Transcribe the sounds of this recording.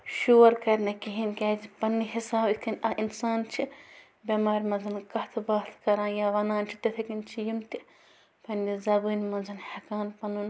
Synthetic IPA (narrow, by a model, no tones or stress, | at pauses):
ʃuːɾkɐɾʲnɐkiɦinʲkʲaːd͡ʒipɐnːɨɦisaːbikʰɐnʲɐʔinsaːnt͡ʃʰi | bʲɐmaːɾʲmɐnzɐnkɐt̪ʰbaːt̪ʰkɐɾãːnjaːʋɐnaːnt͡ʃʰi̥t̪ɐt̪ʰɐkinʲt͡ʃʰijimt̪i | pʰɐnʲdizɐbɨːnʲmɐnzɐnhɐkaːnpɐnun